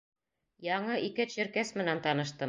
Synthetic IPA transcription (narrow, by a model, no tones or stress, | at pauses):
jɑɴɤʔikɘɕɘ̆ɾkæsmɘ̆nænt̪ɑnɤ̆ʃt̪ɤ